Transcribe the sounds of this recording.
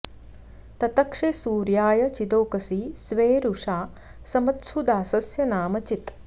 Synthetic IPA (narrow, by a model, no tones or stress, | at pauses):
t̪ɐt̪ɐkʂesuːɾjaːjɐt͡ʃid̪oːkɐsisʋeːɾuʂaː | sɐmɐt̪sud̪aːsɐsjɐnaːmɐt͡ʃit̪